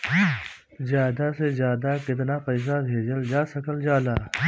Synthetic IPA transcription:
zjaːd̪asezjaːd̪akɪt̪nafɛːs̬abʱeːd͡ʒəld͡ʒaːsɐkəld͡ʒaːlaː

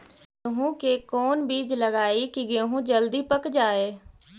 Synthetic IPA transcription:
eɦũkeːkoːnbiːd͡ʒləɡaːikiɡeːɦũːd͡ʒəld̪iːpəkd͡ʒaːeː

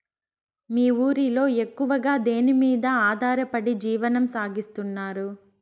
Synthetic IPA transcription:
miːuːɾilo̞ːe̞kːuʋɐɡaːd̪eːnimiːd̪ɐaːd̪ʱaːɾɐpɐɽid͡ʒiːʋɐnɐmsaːɡist̪unːaːɾu

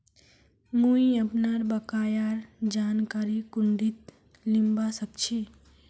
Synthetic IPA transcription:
muiəpnaɾbəkajaɾd͡ʒankaɾikuɳɖit̪ | limbasək̚t͡ʃʰi

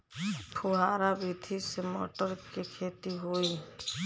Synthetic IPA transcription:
pʰuɦaɾabid̪ʱisemɔ̰ʈɔɾkekʰet̪iɦoj

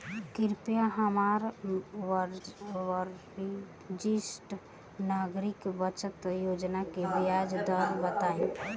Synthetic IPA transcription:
kiɾpjaɦəmaɾ | ɾ | d͡ʒisʈ | naɡɾikbət͡ʃət̪jod͡ʒnakeʋjad͡ʒd̪əɾbət̪ai

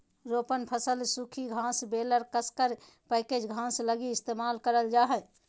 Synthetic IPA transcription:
ɾoːpənpʰəsəlsukʰiɡʱãsbeːləɾkəskəɾ | pɛːked͡ʒɡʱãːsləɡiɪst̪emaːlkəɾəld͡ʒaːɦɛ

